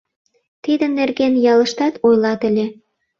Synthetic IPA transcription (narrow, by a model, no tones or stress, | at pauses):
t̪id̪ə̆nːerɣenjɑləʃt̪ɑt̪ojlɑt̪ə̆lʲe